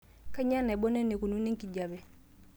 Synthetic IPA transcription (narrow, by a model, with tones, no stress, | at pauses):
ka˦ɲa˦na˨bo˦ne˦ne˨ku˨nu˦ne˦ŋki˨ɟa˨bɛ˨